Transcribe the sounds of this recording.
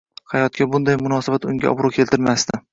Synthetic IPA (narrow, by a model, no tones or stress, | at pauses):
hajɒt̪̚kʲabʊnd̪ajmʊnɒsabat̪ʊŋɡʲa̰ʔɒ̰bɾʊkʲʰelt̪ʰɪɾmast̪ɪ